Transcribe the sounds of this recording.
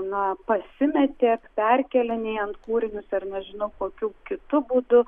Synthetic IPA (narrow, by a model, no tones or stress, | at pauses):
nɐpɐsʲɪmʲɛt̪ʲeːkpʲɛrʲkʲɛlʲɪnʲeːɐnt̪kuːɾʲɪnʲʊsɐrnʲɛʒʲɪnɐʊkoːkʲuːkʲɪt̪ʊbuːd̪ʊ